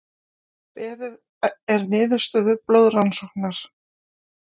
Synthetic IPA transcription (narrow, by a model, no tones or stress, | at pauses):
pɛːɾɪð | ɛɾnɪːðʏ̥st̪œːðʏplowðransɔwknaɾ̥